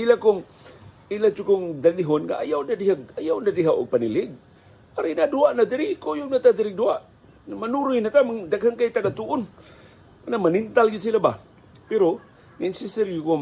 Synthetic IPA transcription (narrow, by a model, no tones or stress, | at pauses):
ilakʊŋ | ilat͡ʃʊkʊŋd̪aniɦʊnŋa̰ʔajawnadiɦaɡ̚ajawnadiɦawʔo̰ɡ̚panilɪɡ̚ | paɾinaduaʔnad̪ɪɾɪkojʊŋnat̪ad̪ɪɾɪduaʔ | manuɾʊjnat̪amaŋdaɡhaŋkajt̪aɡat̪uʔʊn | kanamanint̪alɡɪd̪silaba | pɪɾo | ninsisɛɾjuko